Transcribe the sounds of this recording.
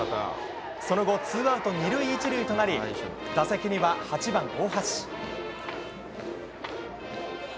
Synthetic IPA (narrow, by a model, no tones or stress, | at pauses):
so̞no̞ɡo̞t͡sɨːɡaɯ̟t̪o̞ɲ̟iɾɯ̟iːt͡ɕiɾɯ̟it̪o̞naɾʲid̪̥asekʲiɲ̟iβahat͡ɕibãŋɡo̞ːhaɕi̥